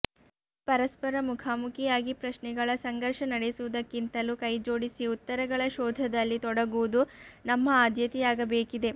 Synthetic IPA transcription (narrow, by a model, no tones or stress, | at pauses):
pɐɾɐspɐɾɐmukʰaːmukʰijaːɡipɾɐʃnɛɡɐɭɐsɐŋɡɐɾʂɐnɐɽesuʋud̪ɐkːint̪ɐlukɐjd͡ʒo̞ːɽisiut̪ːɐɾɐɡɐɭɐʃɔːd̪ʱɐd̪ɐlːit̪ɔɽɐɡuʋud̪unɐmːɐaːd̪ʱjɐt̪ijaːɡɐbeːkid̪e̞